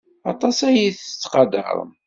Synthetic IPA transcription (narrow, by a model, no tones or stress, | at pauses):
ɑt̪ˤɑsæjiθə̥t͡sːqɑd̪ə̰ɾ̰ˤm